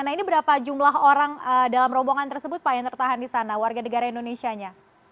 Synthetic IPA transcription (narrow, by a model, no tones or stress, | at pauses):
anainibəɾapad͡ʒumlaɦoɾaŋədalamrɔboŋant̪ərsəbʊt̪̚pajaŋt̪ərt̪aɦandisanawarɡanəɡaɾaindonesiaɲa